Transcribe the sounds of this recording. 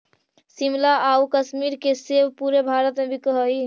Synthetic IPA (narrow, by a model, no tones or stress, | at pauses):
simlaaukəsmiɾkesebpuɾebʱaɾət̪mebʱikəɦəj